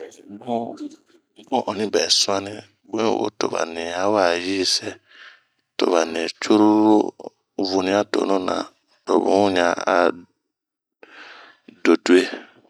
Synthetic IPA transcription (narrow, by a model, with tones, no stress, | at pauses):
mɔ˦ | mɔ̃˦ʔɔ˨nĩ˦bɛ˨sũ˦a˦nɪ̃˦ | bẽ˦wo̰˨˦to̰˨βa̰˨nĩ˨a˦wa˨ji˦sɛ˦ | to̰˨βa˨ne˨t͡ʃu˦ɾu˦ɾo˦ | vu˨nĩ˦a˦to̰˨nũ˦nã̰˨ | to˨βṵ̃˨˦ɲã˨a˨ | do˨du˦e˦